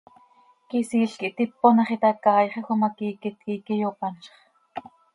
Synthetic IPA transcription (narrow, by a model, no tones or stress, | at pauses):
kisiːɬkiʔt̪ipːonɑχit̪ɑkɑːjχexʷomɑkiːkit̪kikijopɑnt͡ʃɑ̥χ